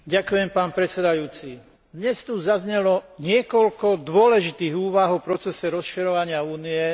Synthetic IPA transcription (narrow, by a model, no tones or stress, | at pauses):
ɟakujɛmpaːnpɾɛt͡sɛd̪ajuːt͡si | d̪ɲɛst̪uzazɲɛlɔɲɪɛkɔʎkɔd̪ʋʊɔlɛʒit̪iːɣuːʋaɦɔpɾɔt͡sɛsɛɾɔsʃiɾɔʋaɲɪauːniɛ